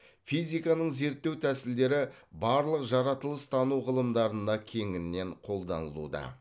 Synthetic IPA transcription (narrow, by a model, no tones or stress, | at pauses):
fijzijkɑnəɴze̞ɾt̪ːe̞wt̪ʰæsɪld̪e̞ɾɪbɑɾlˠəqʒɑɾɑt̪əlˠəst̪ʰɑnuʁəlˠəmd̪ɑɾənd̪ɑkʲʰe̞ŋɪnːe̞ɴqʰo̞lˠd̪ɑnəlˠṵd̪ɑ̰